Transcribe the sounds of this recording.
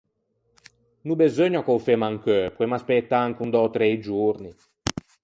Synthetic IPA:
nubezøɲːakɔwfemaŋkøpwemaspɛt̪ːaaŋkund̪ɔt̪ɾɛjd͡ʒuɾni

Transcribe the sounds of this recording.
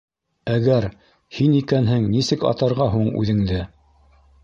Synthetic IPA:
æɣæɾ | hinikænɦɘŋnisɘkɑ̰t̪ɑɾʁɑɦuɴʉ̰ðɘ̆ŋd̪ɘ

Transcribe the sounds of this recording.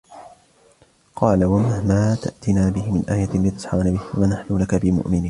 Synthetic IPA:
qʰɑːlawamahmaːt̪a̰ʔt̪ɪnaːbɪhɪmɪnʔaːjaliːt̪ʊ̥sˤħɑ̰anabɪhwawanaħlulakabɪmʊ̰ʔmɪniː

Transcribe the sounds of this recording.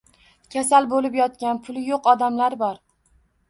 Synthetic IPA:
kʲʰasalbolɪpjɒt̪̚kʲanpʰʊlˠɪjoqɒd̪amlaɾbɒɾ

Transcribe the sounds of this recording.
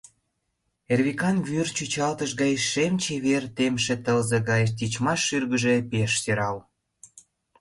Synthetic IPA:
erβikɑnβyrt͡ɕyt͡ɕɑlt̪əʃɣɑjʃemt͡ɕeβert̪emʃĕt̪əlzeɣɑjʃt̪ʲit͡ɕmɑʃːyrɣəʒepeʃteɾɑl

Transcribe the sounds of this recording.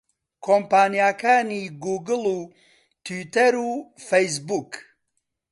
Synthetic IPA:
kʰompaːnijaːkaːniɡuːɡɨlu | t̪ʰwit̪ɐɾufejs̬buk

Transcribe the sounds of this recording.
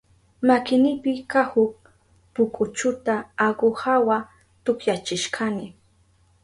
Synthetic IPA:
makɪnɪpɪkahʊk̚ | pʊkʊt͡ʃʊt̪aːɢohawa | t̪ʊkjat͡ʃɪʃkʰanɪ

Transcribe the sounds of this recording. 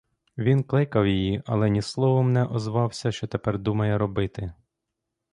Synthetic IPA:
ʋʲinklˠɪkɐwjijiɐ̰lˠɛnʲislˠɔʋɔmnɛʔɔzʋɑwsʲɐʃt͡ʃɔt̪epɛrd̪umɐjɛɾɔbɪt̪ɪ

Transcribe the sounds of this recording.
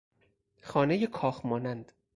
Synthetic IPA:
xɒːnejekʰɒːxmɒːnænd̪̥

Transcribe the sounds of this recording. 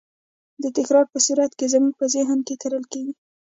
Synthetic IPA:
d̪ət̪ɪxɾɑɾpəsuɾat̪kezəmuɡ̚pəzeɦənkekaɾəlkeɡi

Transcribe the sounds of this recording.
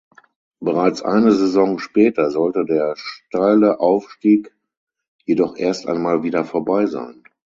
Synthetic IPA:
b̥əʁaɪt͡sʔa̰ɪnəzezɔŋʃpɛːtɐzɔltədeːɐʃtaɪləʔaʊfʃtiːk | jedɔχʔeːɐstʔa̰ɪnmaːlviːdɐfoːɐbaɪza̰ɪn

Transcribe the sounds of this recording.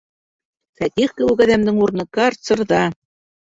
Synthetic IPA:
fæt̪ʲiχkɘ̆lukæðæmd̪ɘŋurnɤ̆kɑrsɤ̆rðɑ

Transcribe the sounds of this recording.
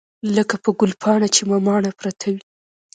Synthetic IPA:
ləkapəɡʊlpʰɑɳat͡ʃemamɑɳapɾat̪ʰawi

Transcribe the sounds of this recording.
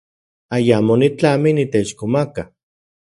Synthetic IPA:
ajamonit͡ɬaminit̪et͡ʃkomaka

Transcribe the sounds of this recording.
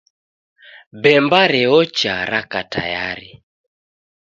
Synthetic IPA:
bɛmbaɾɛɔt͡ʃaɾakata̰jaɾi

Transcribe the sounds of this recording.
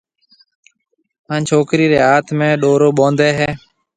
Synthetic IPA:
ãːnt͡ʃʰoːkɾiːɾeːaːt̪ʰmẽːɗoːɾoːɓõːnd̪eːɦɛː

